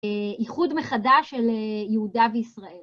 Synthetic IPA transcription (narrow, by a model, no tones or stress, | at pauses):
iχudmeχadaʃelejehudaveisʁael